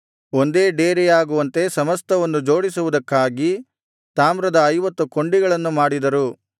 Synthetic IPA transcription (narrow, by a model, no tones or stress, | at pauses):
o̞nd̪e̞ːɖeːɾejaːɡuʋɐnt̪e̞sɐmɐst̪ɐʋonːud͡ʒo̞ːɽisuʋud̪ɐkːaːɡi | t̪aːmɾɐd̪ɐɐjʋɐt̪ːuko̞ɳɖiɡɐɭɐnːumaːɽid̪ɐɾu